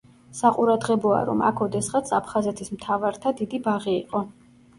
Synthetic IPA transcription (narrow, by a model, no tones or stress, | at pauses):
saqʼuɾad̪ʁɛbɔa̰ɾɔ̰ma̰kʰɔd̪ɛsχat̪sʰapʰχazɛt̪ʰismt̪ʰavaɾt̪ʰad̪id̪ibaʁiiqʼɔ